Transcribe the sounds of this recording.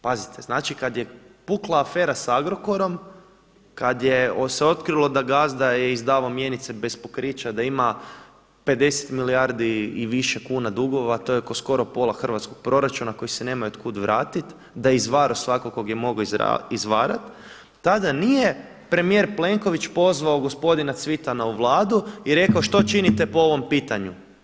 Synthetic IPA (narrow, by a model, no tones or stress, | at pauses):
pazit̪eznaːt͡ʃikad̪je̞puklˠaːfe̞ːɾasaɡɾo̞ko̞ɾo̞m | kad̪jeoseo̞t̪kɾilˠo̞d̪aɡasd̪ajeizd̪aːʋomje̞nit̪se̞be̞spokɾit͡ʃad̪aima | pe̞d̪e̞se̥t̪milijaɾd̪iiʋiʃe̞kuːnad̪uɡo̞ʋat̪o̞jekosko̞ɾo̞po̞lˠaxər̩ʋat̪sko̞ɡ̥̚pɾo̞ɾat͡ʃunako̞jise̞ne̞ːmajuot̪kud̪ʋɾaːt̪it̪ | d̪ajizʋaːɾosʋakokoɡjemo̞ɡo̰izʋaːɾat̪ː | ad̪anije̞ | pɾe̞mije̞ɾple̞ŋko̞ʋit͡ʃpo̞zʋaoɡo̞spo̞d̪inat̪sʋit̪anauʋlˠaːd̪uiɾe̞kaoʃt̪o̞t͡ʃinit̪e̞po̞o̞ʋo̞mpiːt̪aɲu